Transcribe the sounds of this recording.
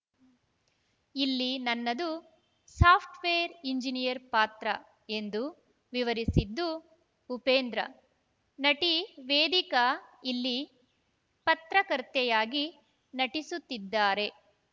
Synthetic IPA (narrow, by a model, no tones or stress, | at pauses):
ilːinɐnːɐd̪u | saːpʰʈʋeːɐɾiɲd͡ʒinijɐɾpaːt̪ɾɐ | e̞nd̪u | ʋiʋɐɾisid̪ːu | upeːnd̪ɾɐ̰ | nɐʈiʋeːd̪ikɐilːi | pɐt̪ɾɐkɐɾt̪ɛjaːɡi | nɐʈisut̪ːid̪ːaːɾe̞